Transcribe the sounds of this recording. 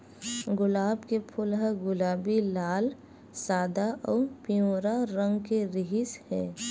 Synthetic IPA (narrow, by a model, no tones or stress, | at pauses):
ɡʊlaːbkepʰʊlɦəɡʊlaːbilaːl | saːd̪aʔɔːpijõːɾaɾə̃ŋɡkeɾɪɦɪshɛ̰ː